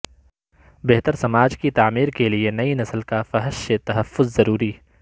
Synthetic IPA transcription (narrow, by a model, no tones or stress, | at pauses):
beɦt̪əɾsɐmaːd͡ʒkit̪aːmiːɾkelienɐinɐsəlkafɐɦəʃset̪ɐɦɐfːʊzːɐɾuːɾiː